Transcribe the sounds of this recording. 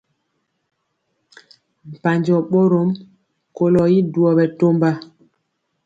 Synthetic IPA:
m̩˨pa˨ɲd͡ʒɔ˨ɓo˦ɾo˦m | ko˨lɔ˨ji˦du˨ɔ˨ɓɛ˨to˦mba˦

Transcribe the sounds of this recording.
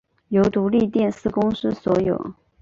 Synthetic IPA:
jo˧˥ʊt̪u˨˥li˥˧t̪jɛ˥˧nsɹ̩˥˩kʊ˥ŋʂɻ̩˥swɔ˧˥jo̰˨˩˦ʊ

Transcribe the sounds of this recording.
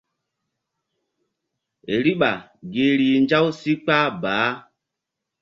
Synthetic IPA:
ḛ˨ɾi˦ɓa˨ | ɡe˨˦ɾi˨nd͡ʒa˦wsi˦k͡pa˦baː˨˦

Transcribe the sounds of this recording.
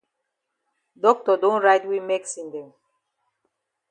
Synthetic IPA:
dɔ˦k̚tɔ˨dõ˦nɹa˦jtwi˦me˦ksĩ˨ndɛ̃˨m

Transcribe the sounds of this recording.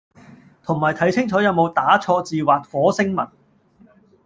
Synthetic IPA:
t̪ʰʊ˨˩ŋmaː˨˩jt̪ʰɐ˨˥jt͡sʰɪ˥ŋt͡sɔː˨˥jɐ˨˧wmo˨˧wt̪aː˨˥t͡sʰɔː˧t͡siː˨waː˨t̚fɔː˨˥sɪ˥ŋmɐ˨˩n

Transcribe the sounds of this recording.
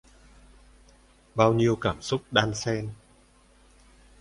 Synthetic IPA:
ɓaː˧wɲi˧əwkaː˧˩msʊ˦˥k͡p̚ɗaː˧nsɛ˧n

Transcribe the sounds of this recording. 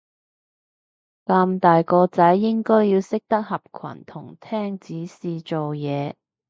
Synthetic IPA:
kaː˧mt̪aː˨jkɔː˧t͡sɐ˨˥jːɪ˥ŋkɔː˥jjiː˧wsɪ˥k̚t̪ɐ˥k̚hɐ˨p̚kʰwɐ̰˨˩nt̪ʰʊ˨˩ŋt̪ʰɛː˥ŋt͡siː˨˥siː˨˧t͡so˨wjɛː˨˧

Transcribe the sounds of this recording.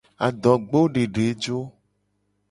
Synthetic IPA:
a˨d̪ɔ˨ɡ͡bo˦ɖe˨ɖe˨˦d͡ʒo˦

